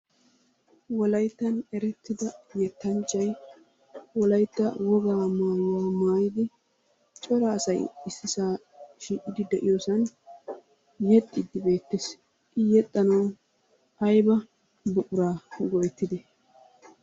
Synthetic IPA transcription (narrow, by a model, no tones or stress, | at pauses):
wɔlɐjt̪ːɐnɛɾɛt̪ːɪd̪ɐjɛt̪ːɐnt͡ʃʼːɐj | wɔlɐjt̪ːɐwɔɡaːmaːjaːmaːjɪd̪ɪ | t͡ʃʼɔɾɐːsɐjɪsɪsaː | ʃiːkʼɪd̪ɪd̪ɛʔɪjoːsɐn | jɛt̪ʼːɪd̪ːɪbe̞ːt̪ːes | ʔɪjɛt̪ʼːɐnɐw | ɐjbɐ | bʊʔʼʊɾaːɡɔjɛt̪ːɪd̪ɛ